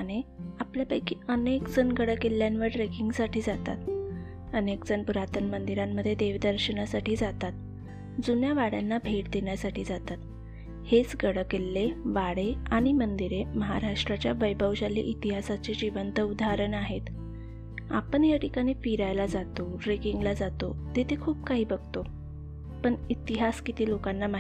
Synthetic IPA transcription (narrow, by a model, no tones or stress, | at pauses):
aɽ̃eapljapəjkiːənekd͡zənɡəɽəkelːjanʋəɾʈɾekiŋɡsaʈiːd͡zat̪a̰t̪ | ənekd͡zənpuɾat̪ənmənd̪iɾamːəd̪ʱːjed̪eʋd̪əɾɕəɳasaʈiːd͡zat̪at̪̚ | d͡zunjaʋaɽjanːabʱeʈd̪eɳjasaʈiːd͡zat̪at̪ | het͡sɡəɽəkelːeʋaɽeaɽ̃imənd̪iɾeməɦa̰ɾaʂʈɾat͡ɕjaʋəjbʱəʋɕalːḭʔit̪iɦasat͡sed͡ʑiʋənt̪əud̪ʱaɾəɳaɦet̪ | a̰pəɳjaʈikaɽ̃iːfiɾajlad͡zat̪oɾekiŋɡlad͡zat̪ot̪et̪ʰekʰuːb̚kaɦiːbəɡt̪o | pəɳit̪iɦaskit̪iːlokanːama